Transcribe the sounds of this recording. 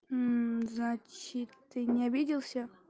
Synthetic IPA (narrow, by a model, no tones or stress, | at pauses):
znat͡ɕɪt̪ːɨnʲɪɐbʲidʲɪlˠsʲə